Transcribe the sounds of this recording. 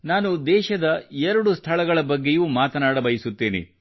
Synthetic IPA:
naːnud̪ɛːʃɐd̪ɐɛɾɐɽust̪ʰɐɭɐɡɐɭɐbɐɡːe̞juːmaːt̪ɐnaːɽɐbɐjisut̪ːeːnḭ

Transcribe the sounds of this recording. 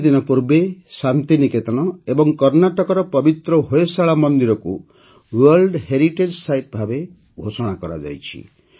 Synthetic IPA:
d̪inɔpuɾbesant̪iniket̪ɔñɔebɔŋkɔɾnaʈɔkɔɾɔpɔbit̪ɾɔɦoesaɭamɔnd̪iɾɔku | wɔɾlɖɦeɾiʈed͡ʒsajʈ̚bʱabe | ɡʱosɔɽ̃akɔɾa̰d͡ʒa̰jt͡ʃʰḭ

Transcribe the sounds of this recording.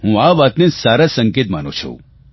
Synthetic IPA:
ɦũaʋat̪nesaːɾasə̃ŋket̪manõt͡ʃʰṵ̃

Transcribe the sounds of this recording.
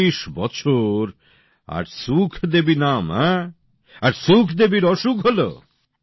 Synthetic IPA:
iʃbɔt͡ɕʰoɾ | a̰ɾsukʰd̪ebinamɛ | aɾsukʰd̪ebiɾɔʃukɦolo̰

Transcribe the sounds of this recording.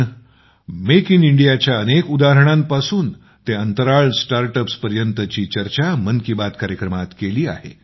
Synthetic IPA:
mekiniɳɖijat͡ɕjaənekud̪aɦɾəɽ̃ãmpasuːn | t̪eənt̪əɾaɭsʈaɾʈəpspəɾjənt̪ət͡ɕiːt͡ɕəɾt͡ɕamənkibat̪kaɾjəkɾəmat̪keliːa̰ɦḛ

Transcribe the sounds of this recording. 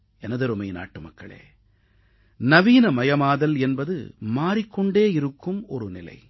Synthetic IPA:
ɛnɐðɐɾɯmɐɪna̰ːʈːɯmɐkːɐɭḛː | nɐʋiːnɐmɐjɐmaːðɐlɛnbɐðɯ̰maːɾɪkːɔɳɖeːɪɾɯkːɯmɔɾɯnɪlɐ̰ɪ

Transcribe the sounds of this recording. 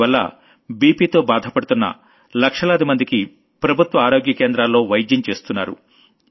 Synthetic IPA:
ʋɐlːɐ̰ | biːpiːt̪o̞ːbaːd̪ʱɐpɐɽut̪unːɐ̰ | lɐkʂɐlɐːd̪imɐnd̪iki | pɾɐbʱut̪ʋɐaːɾo̞ːɡjɐkeːnd̪ɾaːlːo̞ːʋɐjd͡ʒ̪jɐnt͡ʃe̞ːst̪unːaːɾṵ

